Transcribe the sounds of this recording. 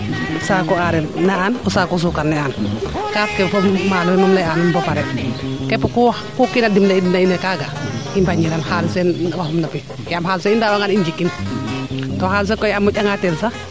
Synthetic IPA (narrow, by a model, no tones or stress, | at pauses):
saːkɔaɾɛnːaanɔsakɔs̬ukanːɛankafkɛfɔmmalɔɛnɔmlɛanumbɔpaɾɛkɛpɔku | kukinadimlɛidinainɛkaːɡaimbaɲiɾanhalsɛnwaɦɔmnapi | jamɦalsɛindawaŋanind͡ʒikːin | tɔhaːls̬ɛkɔjamːɔɟaŋatɛlsa